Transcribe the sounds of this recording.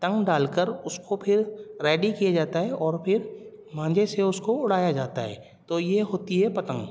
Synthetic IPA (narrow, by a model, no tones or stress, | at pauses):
t̪ə̃ŋɡɖaːlkəɾʊskopʰɪɾɾɛːɖikijad͡ʒaːt̪aɦɛʔɔːɾpʰɪɾ | mãːd͡ʒeseʊskoʊɽ̤aːjad͡ʒaːt̪aɦɛ̰ː | t̪oːjeɦoːt̪iɦɛpɐt̪ə̃ŋɡ